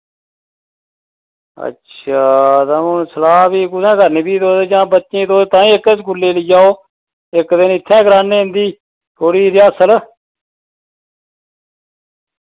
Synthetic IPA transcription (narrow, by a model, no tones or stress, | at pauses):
ə̰tːʃʰaːt̪aːmusəlaːbiːɡʊd̪ɛ̃ːɡəɾniːbiːt̪oːd̪ed͡ʒãːbətːt͡ʃẽːt̪oːt̪ãːĩːɪkesɡʊlːeːləːd͡ʒaːoː | ɪkd̪ɪnɪt̪ʰːɛ̃ːɡɾaːnẽːɦɪ̃nd̪iː | t̪ʰoːɽiːɾiːəsəl